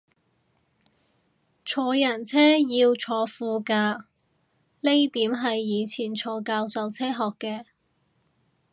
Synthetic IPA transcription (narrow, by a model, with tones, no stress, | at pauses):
t͡sʰɔː˨˧jɐ˨˩nt͡sʰɛː˥jiː˧wt͡sʰɔː˨˧fuː˧kaː˧ | le˥jt̪iː˨˥mɦɐ˨jːiː˨˧t͡sʰiː˨˩nt͡sʰɔː˨˧kaː˧wsɐ˨˧wt͡sʰɛː˥ɦɔː˨kːɛː˧